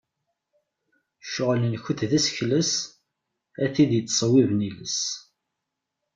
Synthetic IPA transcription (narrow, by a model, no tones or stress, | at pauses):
ʃʊʁlənçəθðæsçləs | æθid̪jət͡s̪ːsˤəwivniləs